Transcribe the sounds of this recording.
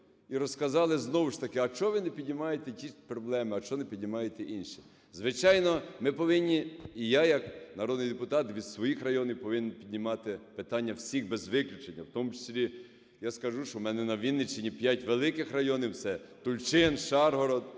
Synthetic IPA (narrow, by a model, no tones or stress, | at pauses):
iɾɔskɐzɑlˠɪznɔʋʊʃt̪ɐkɪɐʃt͡ʃɔʋɪnepʲidʲnʲɪmɑjet̪ɛtʲipɾɔblˠɛmɪɐt͡ʃɔnepʲidʲnʲɪmɑjet̪ɛʔinʃi̥ | zʋɪt͡ʃɑjnɔmɪpɔʋɪnʲːiijajɐknɐɾɔd̪nɪjd̪epʊt̪ɑt̪ʋʲid̪sʋɔjixrɐjɔnʲɪjpɔʋɪnʲenpʲid̪ʲnʲɪmɑt̪ɪpɪt̪ɑnʲːɐwsʲixbezʋɪklʲʊt͡ʃenʲːɐwt̪ɔmʊt͡ʃe̥sʲlʲi | jaskɐʒuʃɔmɛnɛnɐʋʲinːɪt͡ʃenʲipʲjatʲʋelˠɪkɪxrɐjɔnɪwsɛt̪ʊlʲt͡ʃɪnʃɑrɦɔɾɔd̪